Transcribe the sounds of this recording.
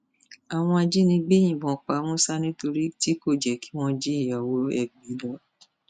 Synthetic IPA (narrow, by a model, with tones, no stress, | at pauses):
a˨w̃ɔ̃˧a˧d͡ʒi˦nĩ˧ɡ͡be˦j̃ĩ˦˨bɔ̃˨k͡pa˨˦mũ˦sa˦nĩ˦to˧ɾi˦ti˦ko˦˨d͡ʒɛ˨kʰi̥˨˦w̃ɔ̃˦d͡ʒe˦i˦˨jɔ˨wo˨˦ɛ̰˦˨ɡ͡be˨˦lɔ˨˦˨